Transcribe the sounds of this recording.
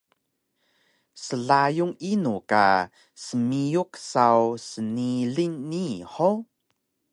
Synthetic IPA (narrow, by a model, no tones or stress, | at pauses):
səɮajuŋinuka̰ | səmijuksawsəniɮiɲːiħo